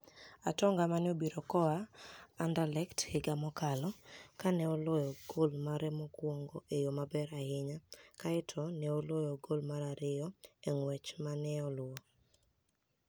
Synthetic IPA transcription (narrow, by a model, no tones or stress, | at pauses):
a̰tɔŋɡamanɪobiɾɔkɔaːndalɛkthɪɡamɔkalɔkanɛɔlɔjɔɡ̥olmaɾɛmɔkwɔŋɡoʔejomabɛɾahɪɲakaɪtʰɔnɛolɔjɔɡolmaɾaɾɪɔɛŋwɛt͡ʃmanɛɔlɔ